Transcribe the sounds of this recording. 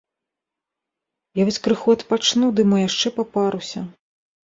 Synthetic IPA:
javɔsʲkɾɨxuɐt̪pat͡ʂnud̪ɨmɔjaʂt͡ʂɛpapaɾusʲɐ

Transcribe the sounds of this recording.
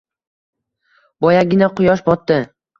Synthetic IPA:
bɒjaɡʲɪnaqʰʊjɒʃbɒt̪ːɪ

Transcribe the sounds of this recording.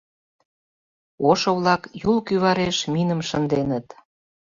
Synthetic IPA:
oʃoβlɑkjulkyβɑɾeʃminə̆mʃə̆nd̪enət̪

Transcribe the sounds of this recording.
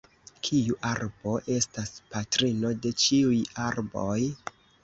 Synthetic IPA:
kʰiuʔaɾbo̞ʔe̞staspatɾino̞de̞t͡ʃiujaɾbo̞j

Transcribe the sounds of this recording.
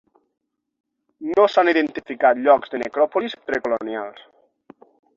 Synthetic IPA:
nosaniðent̪ifikat̪ʎɔkzðenekɾɔpolispɾekolonja̰lˠs

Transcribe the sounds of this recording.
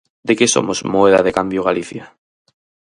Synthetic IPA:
d̪ekeso̰mozmoeðaðekambjoɣaliθja

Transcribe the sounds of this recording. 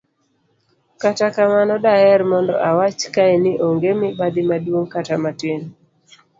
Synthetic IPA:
katakamanɔdaɛrmɔndɔ̰ʔawat͡ʃkaɛnɪʔoŋɡemɪbad̪ɪmadwoŋkatamatɪn

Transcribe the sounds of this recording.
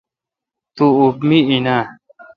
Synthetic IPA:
t̪uubmiina

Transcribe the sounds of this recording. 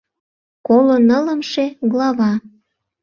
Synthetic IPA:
kolonələmʃeɣlɑβɑ

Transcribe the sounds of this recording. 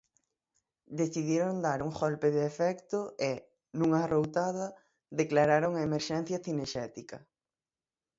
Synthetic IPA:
d̪eθiðjeɾond̪aɾuŋɣɔlpeðeːfɛkt̪ʊe | nũŋarowt̪aðɐ | ðeklaɾaɾoŋaemeɾʃɛn̟θjɐθineɾʃɛt̪ikɐ

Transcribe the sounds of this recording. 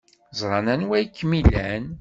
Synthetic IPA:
zˤɾˤɑnænwæjkːmilæn

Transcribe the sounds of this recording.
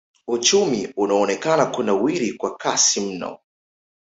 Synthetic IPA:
ut͡ʃumiunaɔnɛkanakunawiɾikwakasim̩nɔ̰

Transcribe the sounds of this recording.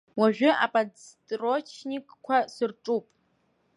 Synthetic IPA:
waʒᶣʷʊa̰pʼad͡ztʼrot͡ʃʰnikʼkʷʰasɨrʈ͡ʂʼupʼ

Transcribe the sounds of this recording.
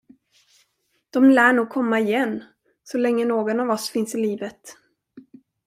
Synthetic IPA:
d̪̥ɔmlæːɳuːɡ̚kʰɔmːaɪjɛnː | sɔlɛŋːənoːɡɔnavɔsfɪnsɪliːvət̪

